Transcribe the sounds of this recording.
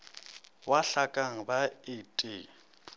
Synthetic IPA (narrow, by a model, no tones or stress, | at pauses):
waɬakʼaŋ̩baɪtʼɪ